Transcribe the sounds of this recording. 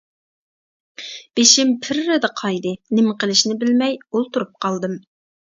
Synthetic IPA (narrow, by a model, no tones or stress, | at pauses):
b̥eʃɪmpʰɪɾːɪd̪ɨqʰɑjd̪ɨnɪmqəlˠɪʃnɪbɪlmɛjolˠt̪uɾup̚qʰɑlˠd̪ɨm